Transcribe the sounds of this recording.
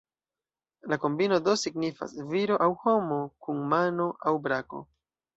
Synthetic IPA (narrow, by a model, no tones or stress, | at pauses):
lako̞mbino̞do̞siɡnifa̰sviɾo̞ʔawho̞mo̞kunmano̞ʔawbɾako̞̰